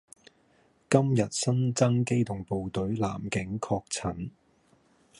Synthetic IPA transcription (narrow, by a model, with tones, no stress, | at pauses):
kɐ˥mjɐ˨t̚sɐ˥nt͡sɐ˥ŋke˥jt̪ʊ˨˩ŋpo˨wt̪ɵ˨˥ɥla̰ː˨˩mkɪ˨˥ŋkʰɔː˧k̚t͡sʰɐ˨˥n